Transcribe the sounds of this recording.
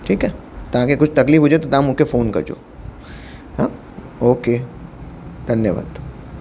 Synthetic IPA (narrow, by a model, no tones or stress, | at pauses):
ʈʰiːkɦɛːt̪ɐɦãkekʊt͡ʃʰt̪ɐkliːfɦʊd͡ʒaet̪ot̪ɦãmʊkefoːnkɐ̰ɾd͡ʒo̰ː | ɦãː | oːkeː | d̪ʱɐnjəʋa̰ːd̪